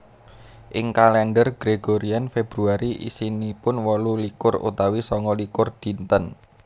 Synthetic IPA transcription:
ʔɪŋkalɛnɖərɡ̥ɾeɡ̥oɾianfeb̥ɾuaɾiʔḭsinipʊnwɔlulikʊrṵt̪awisɔŋɔlikʊrd̪̥int̪ən

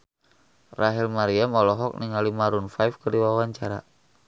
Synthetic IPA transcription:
raɦilmaɾiamɔlɔɦɔk̚niŋalimaɾunfajfkərdiwawaɲt͡ʃaɾa̰

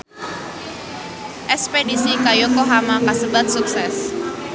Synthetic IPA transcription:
ʔɛspedisikajokoɦamakasəbat̪̚suk̚sɛs

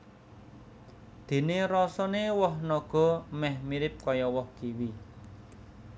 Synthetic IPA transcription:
d̪̥e̤neɾɔsɔnewɔhnɔɡ̥ɔ̤mɛhmiɾɪp̚kɔjɔwɔhɡ̥iwi

